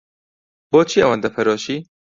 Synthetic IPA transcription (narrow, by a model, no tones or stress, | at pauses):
boːt͡ʃʰiːɐwand̪ɐpʰɐɾoːʃiː